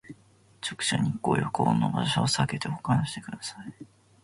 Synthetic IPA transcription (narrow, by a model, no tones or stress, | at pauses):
t͡ɕo̥kɯ̟̥ɕa̰ɲ̟ikːo̞̰ːjoko̰ːnːo̞̰ba̰ɕaosake̞t̪e̞okanoɕi̥t̪e̞̥kɯ̟d̪asai